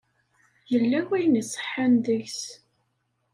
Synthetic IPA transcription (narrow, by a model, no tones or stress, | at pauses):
jəlːæwæjnisˤə̥ħanðəçs